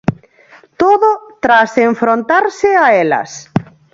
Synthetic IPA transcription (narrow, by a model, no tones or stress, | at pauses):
t̪oðot̪ɾaseɱfɾont̪aɾsɪaɛlɐ̰s